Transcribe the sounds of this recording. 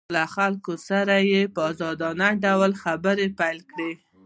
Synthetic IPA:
laxalkosaɾajepəɑzɑd̪ɑnaɖawlxabəɾepajlkɽe

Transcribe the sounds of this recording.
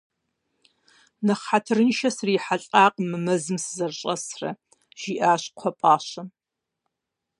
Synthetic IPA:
nɐχatʰɨrɨnʃɐsriːħaɬʼaːqʼmɨmɐzɨmsɨzɐrɕʼɐsrɐ̰ | ʒ̥iːʔaːɕqʷʰɔpʼaːɕɐ

